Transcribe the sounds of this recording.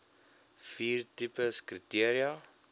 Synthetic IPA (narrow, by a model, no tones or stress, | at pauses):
fiːrtipəskritiəɾiɐ